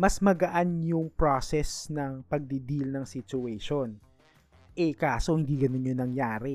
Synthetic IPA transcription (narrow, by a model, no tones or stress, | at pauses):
mɐsmɐɡɐʔanjʊŋpɹosɛsnɐŋpɐɡ̚d̪id̪ilnɐŋsɪt͡ʃʊɛʃon | ʔɛkaːsohɪnd̪iːɡɐnonɲjonɐŋjaːɾɛ